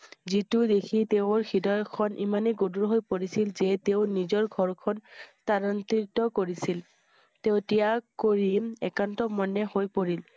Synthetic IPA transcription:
zitudekʰiteʊ̃ɹxidɔjɔkʰɔnʔḭmaneɡoduɹɦojpoɹisilzɛteʊnizɔɹɡʱɔɹkʰɔntaɹɔnt̪itɔkoɹisil | teʊtijakoɹiɛkantɔmɔnːɛhojpoɹil

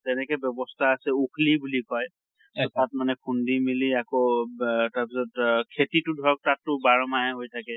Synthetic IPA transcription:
tɛnɛkɛbjɔbɔstʰaːsɛukʰlibulikɔj | tɔtat̚manɛkʰundimiliako | taɹpisɔtkʰetitʊdʱɔɹɔk̚tatːʊbaɹmaɦɛɦojtʰakɛ

